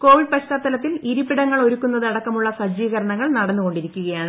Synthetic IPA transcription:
ko̞ːʋiɖ̚pɐɕtaːt̪ːɐlɐt̪̬ːiliɾupːiɽɐŋːɐɭo̞ɾukːunːɐðɨɐɽɐkːɐmuɭːɐsɐd͡ʑiːɣɐɾɐɳɐŋːɐɭnɐɽɐnːuko̞ɳɖiɾikʲːuɣɐjaːɳɨ

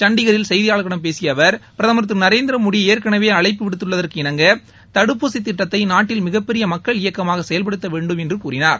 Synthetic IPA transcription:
t͡ʃɐɳɖɪɣɐɾɪlsɛjðɪjaːɭɣɐɽɐmpeːsɪjɐʋɐɾpɪɾɐðɐmɐɾt̪ːɯɾnɐɾeːnd̪ɪɾɐmʊɽieːɾkɐɳɐʋeːɐɭɐɪpːɯʋɪɽɯt̪ːɯɭːɐðɐrkɯɪɳɐŋɡɐ | t̪ɐɽɯpːoːsɪt̪ːɪʈːɐt̪ːɐɪnaːʈːɪlmɪɣɐpːɛɾɪjɐmɐkːɐɭɪjɐkːɐmaːɣɐsɛjɐlpɐɽɯt̪ːɐʋeːɳɖɯmɛndrɯkuːɾɪnaːɾ

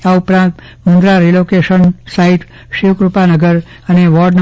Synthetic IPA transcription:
aupɾãnt̪ | mũnd̪ɾaɾilokeʃənsaɦiʈ | ʃiʋkɾupanəɡəɾ | əneʋɔɾɖn

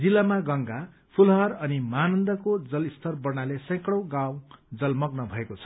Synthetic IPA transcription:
d͡zilːamaɡʌŋɡa | pʰulɦʌrʌnimanʌnd̪ʌkod͡zʌlist̪ʰʌrbʌrnalesʌ̃jkɽʌw̃ɡawd͡zʌlmʌɡnʌbʱʌekot͡sʰʌ̥

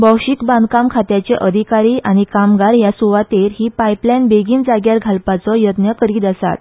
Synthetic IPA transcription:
bɔkɕikbãnd̪kamkʰat̪jat͡ɕeʔəd̪ʱikaɾiːʔañikamɡaɾjasuʋat̪eɾɦiːpajplajnbeɡiːnd͡zaɡjaɾɡʱalpat͡sɔjət̪njəkəɾiːd̪əsa̰t̪

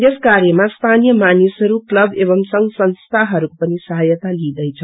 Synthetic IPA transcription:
jeskaɾjemast̪ʰanijʌmanisɦʌɾuklʌbebʌmsʌŋɡsʌnst̪ʰaɦʌɾukopʌnisʌɦəjət̪alid̪ʌjt͡sʰʌ

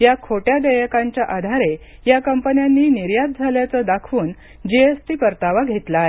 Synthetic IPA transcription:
jakʰoʈjad̪əjəkãɲt͡ɕjaʔad̪ʱaɾe | jakəmpənjanːiːniɾjat̪̚d͡zʱaljat͡səːd̪akʰuːn | d͡ʑeesʈiːkəɾt̪aʋaɡʱet̪lae

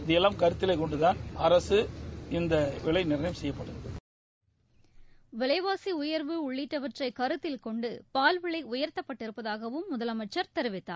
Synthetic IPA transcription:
d̪ɛlɐmkɐɾɯt̪ːɪleːkɔɳɖɯðaːnɐɾɐsɯɪnd̪ɐʋɪɭɐɪnɪɾɐnɐɪmsɛjːɐpːɐɽɯ | ʋɪɭɐɪʋaːsiʊjɐɾʋɯʊɭːɪʈːɐʋɐʈrɐɪkɐɾɯt̪ːɪlkɔɳɖɯpaːlʋɪɭɐɪʊjɐɾt̪ːɐpːɐʈːɪɾɯpːɐðaːɣɐʋɯmːʊðɐlɐmɐɪt͡ʃːɐɾt̪ɛɾɯʋɪt̪ːa̰ː

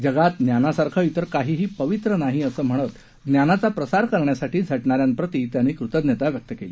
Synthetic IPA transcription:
d͡zəɡat̪̚njanasaɾkʰait̪əɾkaɦiːɦiːpəʋit̪ɾənaɦiːəsəːm̤əɽ̃ət̪ | ɡnjanat͡sapɾəsaɾkəɾɳjasaʈiːd͡zʱəʈɳaɾjanpɾət̪it̪janːiːkɾut̪əd̪njət̪aʋjək̚t̪əkele

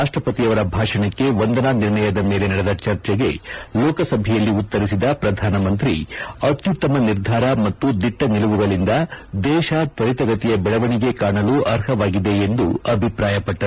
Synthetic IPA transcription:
aːʂʈɾɐpɐt̪ijɐʋɐɾɐbʱaːʂɐɳɐkːe̞ʋond̪ɐnaniɾɳɐjɐd̪ɐme̞ːle̞nɐɽed̪ɐt͡ʃɐɾt͡ʃɛɡe̞lɔːkɐsɐbʱɛjɐlːiut̪ːɐɾisid̪ɐpɾɐd̪ʱaːnɐmɐnt̪ɾiɐt̪jut̪ːɐmɐniɾd̪ʱaːɾɐmɐt̪ːud̪iʈːɐniluʋuɡɐɭind̪ɐd̪ɛːʃat̪ʋɐɾit̪ɐɡɐt̪ijɐbɛɭɐʋɐɳiɡe̞kaːɳɐluʔɐɾɦɐʋaːɡid̪eend̪uɐbʱipɾaːjɐpɐʈːɐ

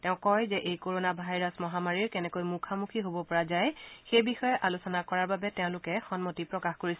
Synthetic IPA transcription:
tɛʊ̃kɔjzɛʔejkoɹonabʱajɹasmɔɦamaɹiɹkɛnɛkojmukʰamukʰiɦobɔpɔɹazajxejbixɔjɛʔalusɔnakɔɹaɹbabɛtɛʊ̃lʊkɛxɔnmotipɹɔkaxkoɹis

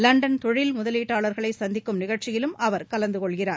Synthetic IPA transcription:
lɐɳɖɐnt̪ɔɻɪlmʊðɐliːʈːaːɭɐɾɣɐɭɐɪsɐnd̪ɪkːɯmnɪɣɐɻt͡ʃɪjɪlɯmʔɐʋɐɾkɐlɐnd̪ɯkɔɭɣɪraː

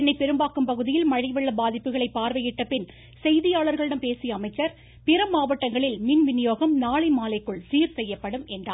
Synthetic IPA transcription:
nːɐɪpɛɾɯmbaːkɯmpɐɣɯðɪjɪlmɐɻɐɪʋɐɭːɐbaːðɪpːɯɣɐɭɐɪpːaːɾʋɐjɪʈːɐpɪn | sɛjðɪjaːɭɐɾɣɐɭɪɽɐmpeːsɪjɐɐmɐɪt͡ʃːɐɾ | pɪɾɐmːaːʋɐʈːɐŋɡɐɭɪlmɪnʋɪnɪjoːɣɐmnaːɭɐɪmaːlɐɪkːɯɭsiːɾsɛjːɐpːɐɽɯmɛndra̰ː

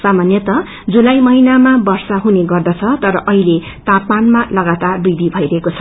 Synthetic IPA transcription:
samanjʌt̪ʌ | d͡zulajmʌɦinamabʌrsaɦuneɡʌrd̪ʌt͡sʰʌt̪ʌɾʌʔʌɦile | t̪apmanmalʌɡat̪arbid̪ʱibʱʌiɾʌɦekot͡sʰʌ̥

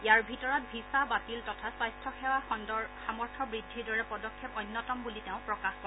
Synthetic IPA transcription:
ijaɹbʱitɔɹɔt̚bʱisabatiltɔtʰaswajstʰɔxɛwaɔnxamɔɹtʰɔbɹidʱːiɹdɔɹɛpɔdɔkʰːjɛpɔjnːɔtɔmbuliteʊ̃pɹɔkaxɔ

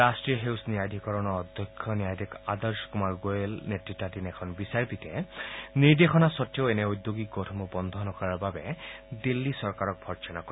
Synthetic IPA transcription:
astɹiɔɦewsnijajd̪ʱikɔɹɔnɔɔd̪ʱjɔkʰːɔniajd̪ʱikadɔɹskumaɹɡoelnetɹitːadinɛkʰɔnbisaɹpitɛniɹd̪exɔnasɔtːjɔenɛujd̪joɡiɡotʰɔmɔbɔnd̪ʱɔnɔkɔɹaɹbabɛdilːisɔɹkaɹɔk̚bʱɔɹt͡ʃɔnakɔ

